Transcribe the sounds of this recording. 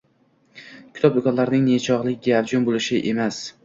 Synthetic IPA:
kʲʰʊ̥t̪ʰɒb̚d̪ʊkʰɒnlaɾnɪŋnet͡ʃʰɒʁlˠɪkʲɡʲavd͡ʒʊnbolɪʃɪʔe̞mas

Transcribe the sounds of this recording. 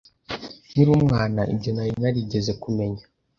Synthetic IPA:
niɾuːmŋaːnaʔḭbɟenajinaɾiɟe̞ze̞kume̞ɲa

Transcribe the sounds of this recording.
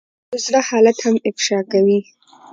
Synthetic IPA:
ʊzɽahɑlat̪hamɪfʃɑkawi

